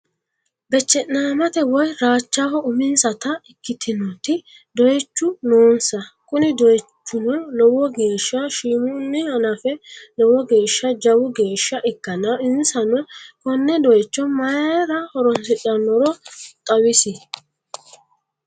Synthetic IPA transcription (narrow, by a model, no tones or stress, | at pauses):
bɛt͡ʃːɛnːaːmɐt̪ɛwɔjɾaːt͡ʃːaːhɔʊmɪnsɐt̪ɐɪkːɪt̪ʰɪnɔt̪ɪ | d̪ɔjt͡ʃːʊnoːnsɐkʊnɪd̪ɔjt͡ʃːʊnɔlɔwɔɡe̞ːʃːɐʃiːmʊnːɪhɐnɐfɛlɔwɔɡe̞ːʃːɐd͡ʒɐwʊɡe̞ːʃːɐʔɪkːɐnɐɪnsɐnɔkɔnːɛd̪ɔjt͡ʃːɔmɐjɾɐhɔɾɔnsɪt͡ʃʼɐnːɔɾɔt̪ʼɐwɪsɪ